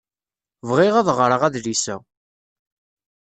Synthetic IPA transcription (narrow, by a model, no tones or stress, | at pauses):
vʁɪʁæðʁɾˤəʁæðlisæ̰